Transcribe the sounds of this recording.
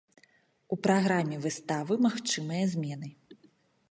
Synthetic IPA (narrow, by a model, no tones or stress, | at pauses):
upɾaɣɾamʲːɛvɨst̪avɨmaxt͡ʂɨmɨjɐzʲmʲɛnɨ